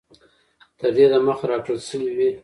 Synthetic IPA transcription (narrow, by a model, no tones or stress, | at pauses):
t̪əɾd̪ed̪aməxaɾɑʈolʃəwiwi